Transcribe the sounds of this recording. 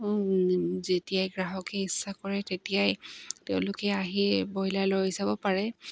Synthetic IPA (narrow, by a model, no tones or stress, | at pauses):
zetijajɡɹaɦɔkɛisːakɔɹɛtetijajteʊ̃lʊkɛaɦibɔɦilalojisabɔpaɹɛ